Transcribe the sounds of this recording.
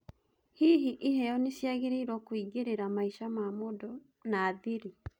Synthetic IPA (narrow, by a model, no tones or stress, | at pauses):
hiːɦiʔiɦɛjɔnesjaɣeɾeiɾɔkwiɡeɾeɾamaiʃamamodɔ | naːðeɾi